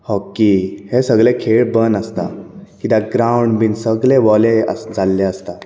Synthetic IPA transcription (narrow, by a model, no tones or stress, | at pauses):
hɔkːihesəɡɭɛkʰeɭbənəst̪a̰kit̪aɡɾauɳɖbinsəɡɭeʋɔleə̰sd͡zalːeəst̪a